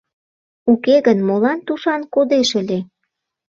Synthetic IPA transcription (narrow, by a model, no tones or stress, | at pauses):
ukeɣənmolɑnt̪uʃɑnkod̪eʃə̆lʲe